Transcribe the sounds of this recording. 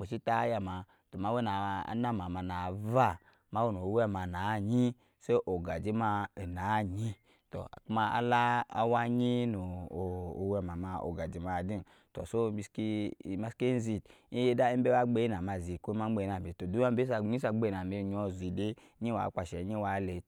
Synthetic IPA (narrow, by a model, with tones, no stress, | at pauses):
k͡pe˨ʃi˦ta˦ja˧ma˨ | to˨ma˨˦we˦na̰˨˦na˦ma˨ma˨na˨va˦˨ | ma˦wo˦˨no˨˦wɛ˦ma˨na˨˦˨ɲi˦ | se˦ʔo˨ɡa˨d͡ʒi˦ma˧e˨na˨˦˨ɲi˦ | to̰˨ku˦ma˧a̰˦la̰ː˦wa˦ɲi˦no˨o˨o˨wɛ˧˨ma˨ma˧o̰˨ɡa˨d͡ʒi˨ma˨di˦n | to̰˨so˦bi˧ski˦˨˦ma˦ske˦n˦zi˧˨t̚i˦je˦da˦i˦be˦wa˦ɡ͡be˦i˦na˨ma˧˨zi˨ko˦ma˦ɡ͡be˧˨˦na˨bi˨to˨du˨˦a˦be˦s̬a˧˨ɲi˦s̬a˧ɡ͡be˦˨na˨me˧˨ɲ˦ɔ˧zi˨de˦ | ɲi˦wa̰˨˦k͡pa˧˨ʃɛ˨˦ɲi˦wa˨˦le˧